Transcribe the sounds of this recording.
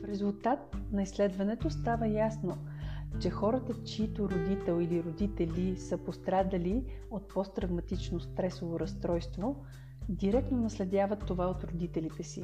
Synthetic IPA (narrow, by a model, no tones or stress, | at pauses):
fɾɛzulˠt̪at̪̚nɐislɛd̪vɐnɛt̪ost̪avəjasno | t͡ʃɛxɔɾət̪ət͡ʃit̪oɾod̪it̪ɛlˠiliɾod̪it̪ɛlisəpost̪ɾad̪ɐliot̪̚pɔst̪ɾɐvmɐt̪it͡ʃnost̪ɾɛsovoɾɐst̪ɾɔjst̪vo | d̪iɾɛk̚t̪nonɐslɛd̪ʲjavət̪ːovaot̪ɾod̪it̪ɛlit̪ɛsḭ